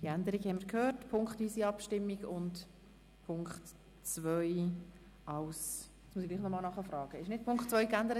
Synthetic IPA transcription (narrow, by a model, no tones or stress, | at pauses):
d̥iænd̪əɾiɡhɛmiəɾkʰhøːɾtpʰʊŋkχtyːsiɑpʃtɪmːiɡʊnt | pʰʊŋkχt | t͡svœʏ | ɑws | smusiɡliːχnɔmɑːlnɑχəfɾrɑːɡ̥əɪʃnɪt̚pʰʊŋkχtt͡sʋœʏkænd̪əɾə